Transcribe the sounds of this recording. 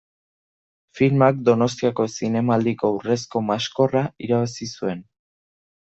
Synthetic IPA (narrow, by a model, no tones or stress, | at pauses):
filmakd̪o̞no̞st̪iako̞sine̞mald̪iko̞ure̞s̬ko̞masko̞raiɾaβasisue̞n